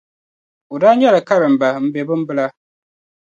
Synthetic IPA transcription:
u˨daː˦ɲɛ˦la˨ka˦ɾɨ˨m̩˨ba˨m̩˦bɛ˨bɨ˦m̩˦bɨ˦la˦

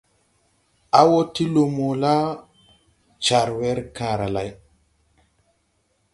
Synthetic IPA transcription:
a˦wo˦ti˦lo˨mo˨la˦ | t͡ʃa˨ɾwɛ˦ɾka˨ɾa˨la˨j

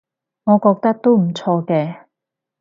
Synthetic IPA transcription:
ŋɔː˨˧kɔː˧k̚t̪ɐ˥k̚t̪o˥wm̩˨˩t͡sʰɔː˧kɛː˧

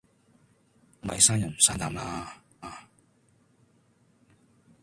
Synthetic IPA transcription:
mɐ̰˨jsaː˥njɐ˨n˨saː˥t̪aː˧mlaː˧ | aː˨˧

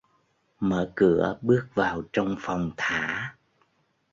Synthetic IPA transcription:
mə̰ː˧˩kɨ˧˩əɓɨ˦˥ək̚vaː˨˩wt͡ɕɔ˧wŋ͡mfɔ˨˩wŋ͡mt̪ʰaː˧˦

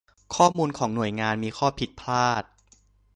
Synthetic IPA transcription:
kʰɔː˥˩muː˧nkʰɔː˩˦ŋnu˨˩əjŋaː˧nmiː˧kʰɔː˥˩pʰi˨˩t̪̚pʰlaː˥˩t̪̚

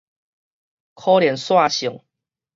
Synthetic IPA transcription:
kʰɔ˦ljɛ˨˦nswa˥˨ɕʊ˨˩˦ŋ

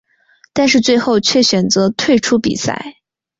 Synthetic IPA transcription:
t̪a˥˧nʂ̬ɻ̩˥˧t͡swe˥˧ɪxo˥˧ʊt͡ɕʰɥɛ˥˩ɕɥɛ˨˩nt͡sɤ˧˥t̪ʰwe˥˩ɪʈ͡ʂʰu˥pḭ˨˩sa̰˥˩ɪ

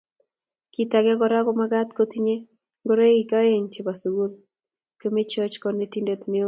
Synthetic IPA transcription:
ki˨ta˨ɡɛ˦ɡɔɾa˦ɡɔ˦maɡa˦t̪ko˦t̪i˦ɲe˦ | ɡo˦ɾe˦i˨ka˦e˦ɲt͡ʃe˨ba˨su˨ɡu˦l | ke˦me˦t͡ʃɔ˦t͡ʃkɔne˦ti˦nde˦t̪mɪ˦o˦

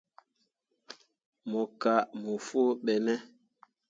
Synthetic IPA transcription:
mɔ˨ka˨˦mo˨fo˦ɓɛ˨nɛ˦

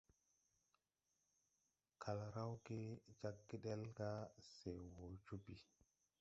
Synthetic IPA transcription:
kʰa˨lɾa˦wɡe˦d͡ʒa˦kːi˦ɗe˦lɡa˦se˨wo˨d͡ʒu˦bi˨

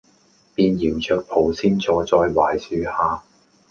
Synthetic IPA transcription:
piː˧njiː˨˩wt͡ʃʰœː˧k̚pʰo˨˧wsiː˥nt͡sɔː˧jt͡sɔː˧jwaː˨˩jsyː˧haː˨˧

